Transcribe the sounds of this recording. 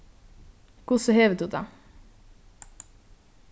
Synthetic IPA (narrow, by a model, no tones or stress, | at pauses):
kʊsəheːʋəd̪ʉd̪ɑ